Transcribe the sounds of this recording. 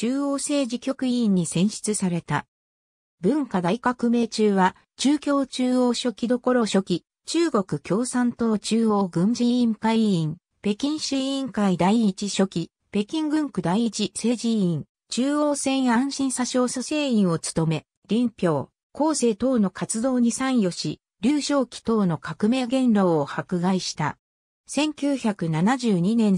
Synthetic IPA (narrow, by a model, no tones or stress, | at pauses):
t͡ɕɨːoːse̞ːʑikʲo̞kɯ̟ĩɲ̟ːisẽ̞ɰ̃ɕi̥t͡sɨsaɾe̞t̪a | bɯ̟̃ŋkad̪aikakɯ̟me̞ːt͡ɕɨːβa | t͡ɕɨːkʲo̞ːt͡ɕɨːoːɕo̞kʲid̪o̞ko̞ɾo̞ɕo̞kʲi | t͡ɕɨːɡo̞kɯ̟kʲo̞ːsãnt̪oːt͡ɕɨːo̞ːɡɯ̟̃ɲd͡ʑiĩŋkaiĩŋ | pe̞kʲĩɰ̃ɕɨĩŋkaid̪aiit͡ɕiɕo̞kʲi | pe̞kʲĩŋɡɯ̟̃ŋkɯ̟d̪aiit͡ɕise̞ːd͡ʑiĩŋ | t͡ɕɨːoːsẽ̞ɰ̃jãɕĩɰ̃saɕoːsase̞ːĩɰ̃o̞t͡sɨ̥t̪o̞me̞ | ɾʲĩmpʲjo̞ː | ko̞ːse̞ːt̪o̞ːno̞kat͡sɨd̪o̞ːɲ̟isãɰ̃jo̞ɕi | ɾʲɨːɕo̞ːkʲi̥t̪o̞ːno̞kakɯ̟me̞ːɡẽ̞nɾo̞ːohakɯ̟ɡaiɕi̥t̪a̰ | sẽ̞ŋkʲɨːçakɯ̟nanaʑɨːɲ̟inẽ̞n